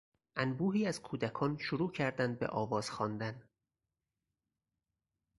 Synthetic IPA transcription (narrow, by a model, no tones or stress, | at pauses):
ʔænbuːɦiːæz̥kʰuːd̪ækʰɒːnʃoɾuːcʰæɾd̪ænd̪̚bḛʔɒːvɒːz̥xɒːnd̪æn